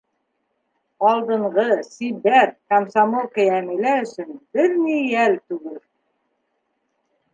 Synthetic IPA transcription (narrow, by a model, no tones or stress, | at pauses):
ɑlˠd̪ɤ̆ɴʁɤsibæt̪̚kamsamolˠkæjæmilæɵ̆sɵnbɘɾnijælt̪ʉɡɘl